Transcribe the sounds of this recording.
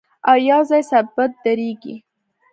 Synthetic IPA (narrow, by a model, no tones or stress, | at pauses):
awjɑzɑjsabat̪̚d̪aɾeɡḭ